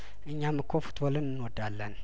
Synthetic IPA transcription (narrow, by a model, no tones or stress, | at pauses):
ʔɨɲːamːɨkʷʰofu̥t̪ʰʼbolɨnɨnwɔd̪alːən